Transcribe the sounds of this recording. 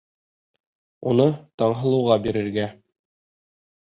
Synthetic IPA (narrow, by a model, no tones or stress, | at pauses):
unɤt̪ɑɴɦɤ̆lˠɤ̆wʁɑbiɾɘ̆ɾɡæ